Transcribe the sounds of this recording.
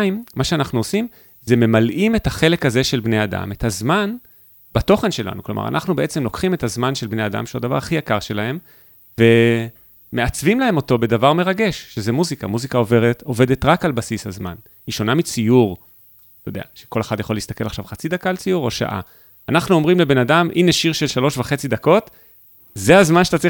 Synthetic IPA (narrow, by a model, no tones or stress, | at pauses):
imːaʃeanaχnuosim | zeme̞malʔime̞taχe̞le̞kaze̞ʃelbnejada̰me̞tazman | bato̞χe̞nʃe̞la̰nukloma̰ʁa̰nʔaχnubeet͡se̞mlokχime̞tazmanʃe̞lbne̞jada̰mʃeodavaʁaχijakaʁʃe̞lahe̞m | ve̞ | me̞at͡svimlae̞mo̞to̞be̞davaʁme̞ʁaɡe̞ʃʃezemuzikamuzikao̞ve̞ʁeto̞ve̞de̞tʁakalbasishazma̰n | hiʃo̞namit͡sijuʁ | tod̪ea̰ʃeko̞leχadjaχo̞leistake̞laχʃavχat͡sidakaːlt͡sijuʁo̞ʃa̰ʔa̰ | anaχnuo̞mʁimle̞benadamʔineʃiʁʃe̞lʃalo̞ʃvaχe̞t͡sid̪ako̞t | zeazmanʃeatat͡sʁi